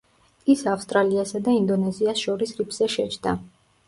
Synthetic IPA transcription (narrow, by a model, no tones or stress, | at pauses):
isafst̪ʼɾaliasad̪aind̪ɔnɛziasʃɔɾisɾipʰz̥ɛʃɛt͡ʃʰd̪a̰